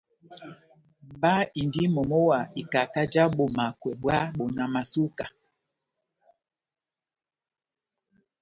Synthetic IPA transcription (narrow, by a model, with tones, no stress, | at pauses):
ba˦i˨ndi˦mɔ˨mɔ˦wa˨i˨ka˨ka˦d͡ʒa˦ɓo˨ma˨kwɛ˨ɓwa˦ɓo˨na˨ma˨su˦ka˨